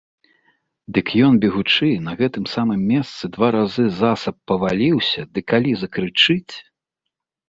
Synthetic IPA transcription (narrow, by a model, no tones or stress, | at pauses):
d̪ɨkjɔnbʲɛɣut͡ʂɨnɐɣɛt̪ɨmsamɨmːʲɛst̪sɨd̪vaɾazɨzasɐpːɐvalʲiwsʲɐd̪ɨkalʲizɐkɾɨt͡ʂɨt͡sʲ